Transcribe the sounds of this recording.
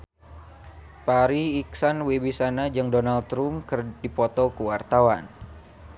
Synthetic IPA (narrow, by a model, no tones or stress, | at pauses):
paɾiːksanwebisanad͡ʒɨŋdonalt̪ɾumkɨrdipɔt̪ɔkuwart̪awan